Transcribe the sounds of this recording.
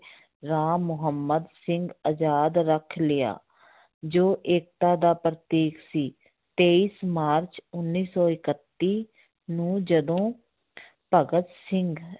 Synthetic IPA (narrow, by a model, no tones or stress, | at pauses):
ɾaːmʊɦəmːəd̪sɪŋɡəd͡ʒaːd̪ɾəkʰlɪja̰ː | d͡ʒoːʔeːk̚t̪aːd̪aːpɾət̪iːksiː | t̪eːiːsmaːɾt͡ʃʊnːiːsɔːɪkət̪ːiː | nũːd͡ʒəd̪õː | pəɡət̪sɪŋɡ